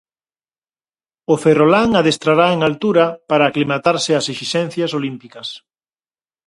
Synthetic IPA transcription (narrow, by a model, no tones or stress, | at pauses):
oferolaŋaðest̪ɾaɾaeŋalt̪uɾɐpaɾaːklimat̪aɾsɪaseʃisɛ̃n̟θjasolimpikɐs